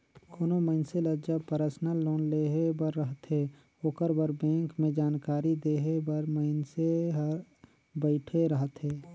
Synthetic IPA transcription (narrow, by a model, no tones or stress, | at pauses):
kʰoːnoməɪnseləd͡ʒəpəɾəsnəlːoːnleːɦebəɾːəɦət̪ɦe | oːkəɾbəɾbɛ̃ːŋkmẽd͡ʒaːnkaːɾid̪eːɦebəɾməɪnseɦəɾ | bəɪʈʰeɾəɦət̪ɦeː